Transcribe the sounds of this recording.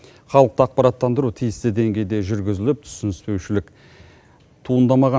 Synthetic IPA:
χɑlˠəq̚t̪əɑq̚pɑɾɑt̪ːɑnd̪əɾut̪ʰijɪst̪ɪd̪e̞ŋɡʲe̞jd̪e̞ʒʏɾɡʲɪzɪlɪp̚t̪ʰʏ̥sɪnɪspe̞wʃɪlɪk | t̪ʰuənd̪ɑmɑʁɑ

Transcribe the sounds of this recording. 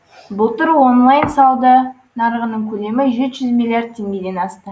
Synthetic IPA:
bʊlˠt̪ʊɾwo̞nlˠajnsɑwˠd̪ə | nɑɾəʁənəɴkʲʰɵle̞mɪʒe̞t̪ʒ̥ʏzmʲilʲijard̪̚t̪ʲʰːe̞ŋɡʲe̞d̪e̞nɑst̪ə

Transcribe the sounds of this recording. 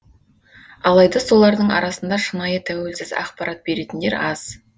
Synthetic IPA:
ɑlˠɑjd̪ɑso̞lˠɑɾd̪əɴɑ̰ɾɑsənd̪ɑʃənɑjət̪ʰæwe̞lsɪzɑ̰qpɑɾɑt̪̚be̞ɾe̞t̪ɪnd̪eɾɑz̥

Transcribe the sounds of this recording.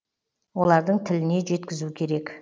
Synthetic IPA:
wo̞lˠɑɾd̪əɴt̪ʰɪlɪne̞ʒe̞t̪kʲɪzukʲʰe̞ɾe̞k

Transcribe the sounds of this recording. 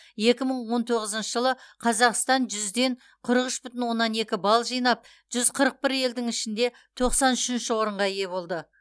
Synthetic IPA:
je̞kʲɪməɴwo̞nt̪ʰoʁəzəɪnʃəʒəlˠəqʰɑzɑqst̪ɑnʒʏzd̪e̞ɴ | qʰʊɾəʁʏʃbʏt̪ɪnwo̞nːɑne̞kʲɪbɑlˠʒijnɑp̚ | ʒ̥ʏzqʰəɾəq̚pɪɾje̞ld̪ɪŋɪʃɪnd̪e̞ | t̪ʰo̞qsɑnʏʃɪnʃɪwo̞ɾəɴʁɑije̞βo̞lˠd̪ə

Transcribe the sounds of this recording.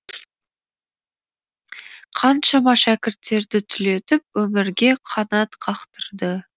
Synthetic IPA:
qʰɑnʃɑmɑʃækʲɪɾt̪ːe̞ɾd̪ɪt̪ʰʏle̞t̪ɪp̚wɵmɪɾɡʲe̞qʰɑnɑt̪qʰɑqt̪əɾd̪ə

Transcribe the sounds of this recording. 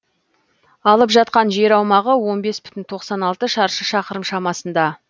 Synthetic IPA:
ɑlˠəpʒɑt̪̚qɑnʒe̞ɾɑwmɑʁəwo̞nbe̞sbʏ̥t̪ɪnt̪ʰo̞qsɑnɑlˠt̪əʃɑɾʃəʃɑqəɾəmʃɑmɑsənd̪ɑ

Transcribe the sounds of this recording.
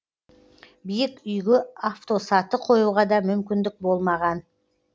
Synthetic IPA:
bijɪkʏjɡʲɪaft̪o̞sɑt̪əqʰo̞juʁɑd̪ɑmʏmkʲɪnd̪ɪk̚bo̞lˠmɑʁɑn

